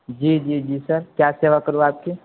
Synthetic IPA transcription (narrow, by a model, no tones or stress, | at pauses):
d͡ʒiːd͡ʒiːd͡ʒiːsɐɾkjaːseːʋakɐɾoaːp̚ki